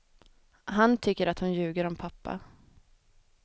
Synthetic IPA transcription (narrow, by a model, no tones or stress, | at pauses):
ɦant̪ʰʏkːəɾat̪hʊnjʉ̟ːɡəɾɔmpʰapːa̰